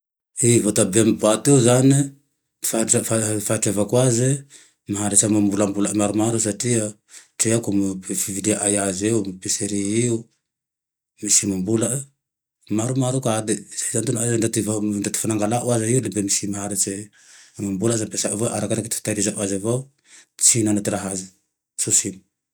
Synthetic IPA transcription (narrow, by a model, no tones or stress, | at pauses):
ivot̪abemibat̪euzani̥ | fafafaʈ͡ʂevakwazi | maɦaɾat͡ʃamambulambulaʔmaɾumaɾus̬atiə | ʈ͡ʂeakumfivid̪eʔajazewmipeseɾiiu | misimambulaʔ | maɾumaɾukad̪esatant̪unazaɳat̪ivaɳɖ͡ʐat̪i̥fanaŋɡalaʔuazaiulembemisimaɦaɾat͡ʃe | mambulazampesaʔavaʔaɾakaɾaket̪t̪aɾizaʔwazava | t͡sinanat̪ɾaɦazi | susini̥